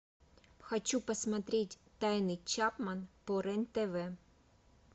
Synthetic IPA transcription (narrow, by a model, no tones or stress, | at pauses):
xɐt͡ɕːupɐsmɐt̪ɾʲetʲt̪ajnɨjt͡ɕapmɐnpɔɾɛnt̪ɛʋɛ